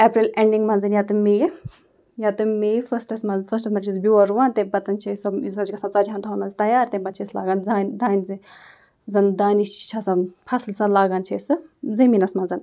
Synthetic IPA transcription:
eːpɾileɳɖiŋɡmɐnzɐnjaːt̪ɨmeːj | jat̪ɨmeːjfɐsʈɐsmɐnfɐsʈɐsmɐt͡ʃʰisbʲuɐɾuʋaːnt̪ebɐt̪ɐnt͡ʃʰesɐizɐd͡ʒʲkɐsãːt͡sɐːd͡ʒʲaːnt̪ʰɦaːnmɐnzit̪ɐjaːɾt̪ẽbɐtt͡ʃʰesla̰ːɡaːnzaːnd̪aːnʲzi | zɐnd̪aːnit͡ʃi̥t͡ʃʰaːsãnpʰɐslsãnlaːɡaːnt͡ʃʰesɨzɐmiːnɐsmɐnzɐn

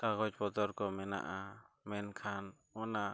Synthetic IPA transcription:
t̪aɡɔt͡ʃpɔt̪ɔɾkɔmɛna̰ʔa | mɛnkʰan | ɔna

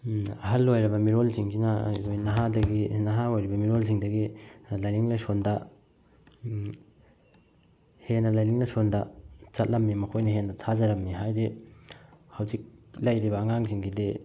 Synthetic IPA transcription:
ɐ̰ɦɐlːojɾɐbɐmiɾolsiŋɡiŋaojnɐɦadɐɡinɐɦaojɾibɐmiɾolsiŋdɐɡilajniŋlɐsondɐ | henːɐlajniŋlɐsondɐt͡ʃɐt̚lɐmːimɐkʰojnɐɦendɐtʰazɐɾɐmːiɦajɾi | hɐwzik̚lɐjɾibɐːŋaŋsiŋɡide

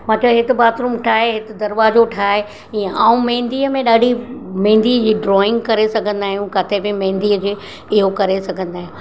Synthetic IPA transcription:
mãːʈʰəlɦɪt̪ɪbaːt̪ɾuːmʈʰaːɦeɦɪt̪ɪ̆d̪ɐɾʋaːzoʈʰaːɦe | iə̃ʔaːũmẽːnd̪iːəmẽɗaːɖʱimɐ̃ɦɪ̃n̆d̪iːəd͡ʑiːɖɾɔːɪ̃ŋɡkɐɾesɐɡʱə̃nd̪aːɦijũkat̪ʰebɪmɐ̃ɦɪ̃nd̪iːəd͡ʑeː | ɪɦokɐɾesɐɡʱə̃nd̪aːɦijũ

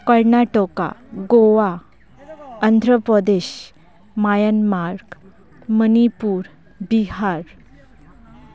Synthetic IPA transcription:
kəɾnaʈɔka̰ɡoʋa | ənd̪ʱɾəpɾəd̪eɕ | majənmaɾk | mənipuːɾ | biɦaɾ

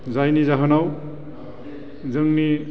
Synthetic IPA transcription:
zajnizaɦɯnaw | zɯŋni

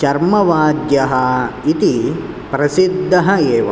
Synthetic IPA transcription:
t͡ʃɐɾmɐʋaːd̪jɐɦɐit̪i | pɾɐsid̪ʱːɐɦɐeːʋɐ̰

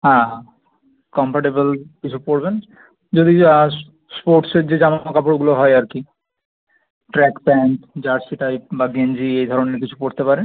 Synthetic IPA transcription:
ɦã | kɔmpaʈebolkit͡ɕʰupoɽben | d͡ʑod̪i | spoɾʈseɾd͡ʑed͡ʑamamokapoɽɡuloɦɔeaɾki | ʈɾɛkpɛnʈd͡ʑaɾsiʈajpbaɡend͡ʑiejd̪ʱɔɾoneɾkit͡ɕʰupoɽt̪epaɾe

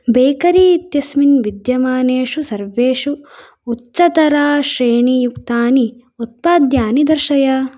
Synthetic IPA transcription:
beːkɐɾiːt̪jɐsminʋid̪jɐmaːneːʂusɐɾʋeːʂuː | tːt͡ʃɐt̪ɐɾaːʃɾeːɳijukt̪aːni | ut̪̚paːd̪jaːnid̪ɐɾʃɐjɐ

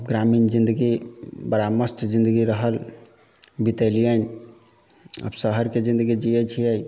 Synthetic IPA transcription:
bɡɾamind͡ʒĩnd̪əɡibəɾaməst̪d͡ʒĩnd̪əɡiɾəɦəl | bit̪əlijən | ə̰bsəɦəɾked͡ʒĩnd̪əɡid͡ʒijət͡ʃʰijəj

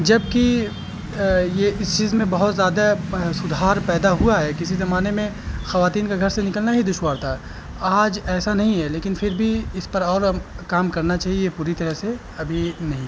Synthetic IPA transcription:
d͡ʒɐb̚ki | jeʔɪst͡ʃiːzmẽbɐɦʊt̪zjaːd̪asʊd̪ʱaːɾpɛːd̪aɦuaɦɛkɪsizɐmaːnemẽxɐʋaːt̪iːnkeɡʱɐɾsenɪkəlnaɦid̪ʊʃwaːɾt̪ʰa | aːd͡ʒɛːsanɐɦĩɦɛleːkɪnfʰɪɾbʱiɪspɐɾɔːɾkaːmkɐɾnat͡ʃaːɦiepuːɾit̪ɐɾəɦse | ɐbʱinɐɦĩ

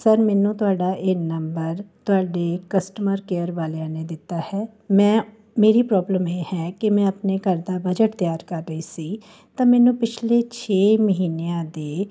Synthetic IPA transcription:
səɾmɛːnũːt̪ʊaːɖaːʔɪnəmbəɾt̪ʊɦaːɖeːkəsʈəməɾkeːəɾʋaːleãːneːd̪ɪt̪ːaːhɛː | mɛ̃ː | meːɾiːpɾɔːbləmeːhɛːkɪmɛ̃ːəpneːkəɾd̪aːbəd͡ʒəʈt̪jaːɾkəɾːəiːsiː | t̪ãːmɛːnũːpɪt͡ʃʰleːt͡ʃʰeːməɦiːneãːd̪eː

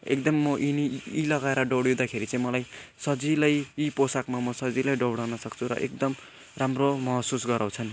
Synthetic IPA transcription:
ḛkd̪ʌmːʌʔiniilʌɡaeɾʌɖʌwɽiwd̪akʰeɾit͡sãĩmʌlajsʌd͡zilajiposakmamʌsʌd͡zilajɖʌwɽawnʌsʌkt͡sʰuɾʌ̰ʔekd̪ʌm | ramromʌɦsusɡʌɾaw̃t͡sʰʌn

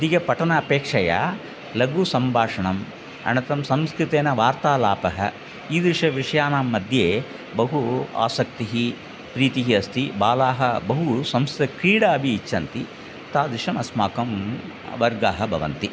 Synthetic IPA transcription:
d̪iɡɐpɐʈɐnɐːpeːkʂɐja̰ | lɐɡusɐmbʱaːʂɐɳɐm | ɐ̰ɳɐt̪ɐmsɐmskɾɪt̪eːnɐʋaːɾt̪aːlaːpɐɦɐ̰ | iːd̪ɾiʂɐʋiʂɐjaːnaːmːɐd̪ʱjeː | bɐɦua̰ːsɐk̚t̪iɦi | pɾiːt̪iɦiɐst̪ibaːlaːɦɐbɐɦusɐmst̪ɐkɾiːɽaːɐbʱiːt͡ʃːɐnt̪i | t̪aːd̪ɾiʂɐmɐsmaːkɐm | ʋɐɾɡaːɦɐbʱɐ̰ʋɐ̰nt̪i

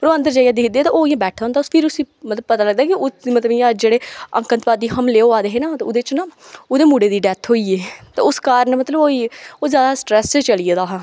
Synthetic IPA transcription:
pəɾoːə̃nd̪əɾd͡ʒaːjãːd̪ɪkʰd̪eːt̪ãːoːɪjãːbɛːʈʰaːɦʊnd̪aʊspʰɪɾʊsĩː | mət̪ləbpət̪aːləɡ̚d̪aːkɪʊmət̪ləbjãːd͡ʒeːɽeːə̰̃ŋkənt̪paːd̪iːɦəmleːoːaːd̪eːɦeːnaːt̪ːʊd̪eːt͡ʃnaːʊd̪eːmuːɽeːd̪iːɖɛːt̪ʰɦoːiːeːt̪a̰ːʊskaːɾnmət̪ləboːioːzjaːd̪aːsʈɾɛːst͡ʃːt͡ʃəlieːd̪aːɦã

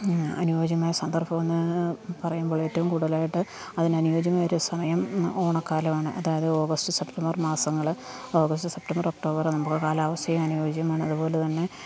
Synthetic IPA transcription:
ɐ̰nuʋoːd͡ʑɐmaːjɐsɐnd̪ɐrpɐme̞nːɨpɐrɐjumboːɭeːtːɐʋumkuːɽɐɐlaːjiʈːɨ | ɐðinɐnujo̞ːd͡ʑɐmaːjoɾusɐmɐjɐmo̞ːɳɐkːaːlɐmaːɳɨʔɐ̰ðaːjɐðɨo̞ːɡɐstɨse̞ptɐmbɐrmaːsɐŋːɐɭ | o̞ːɡɐstɨsep̚tɐmbɐrok̚ʈo̞ːbɐrnɐmukːɨkaːlaːʋɐsjɐjɐmɐnuʋoːd͡ʑɐɐmaːɳɨɐðupo̞ːlet̪ɐnːe̞

